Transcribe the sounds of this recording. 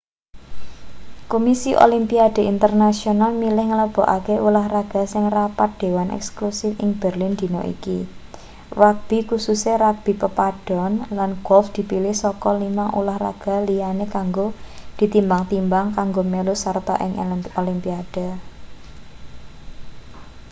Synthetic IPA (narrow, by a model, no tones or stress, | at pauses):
komisiʔo̰limpiad̪̥ə̤int̪ərnasionalmilɪhŋələb̥ɔ̤ʔa̰keʔulahraɡ̥a̤sɪŋrapat̪̚d̪̥e̤wanʔɛ̰ksklusɪfɪŋb̥ə̤rlɪnd̪̥i̤nɔ̰ʔḭki | rak̚b̥i̤kususeɾak̚b̥i̤pəpaɖ̥ɔ̤nlanɡ̥ɔlfd̪̥i̤pilɪhsɔkɔlimaŋʔṵlahra̰ɡ̥a̤lijanekaŋɡod̪̥i̤t̪imbaŋt̪imbaŋkaŋɡomelʊsart̪ɔ̰ʔɪ̰ŋʔolimpiad̥a̤